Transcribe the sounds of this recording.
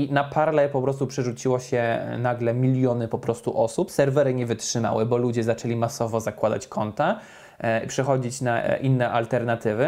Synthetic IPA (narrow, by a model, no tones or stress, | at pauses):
inapʰaɾlɛpɔpɾɔst̪upʂɛʐut͡ɕiwɔɕɛnaɡlɛmʲilʲjɔnɘpɔpɾɔst̪uʔɔsupsɛɾvɛɾɘɲɛvɘtʂɘma̰wɘbɔlud͡ʑɛzat͡ʂɛlʲimasɔvɔzakwad̪a̰t͡ɕkʰɔnt̪a | ipʂɛxɔd͡ʑit͡ɕnaʔinːɛʔalt̪ɛɾnat̪ɘvɘ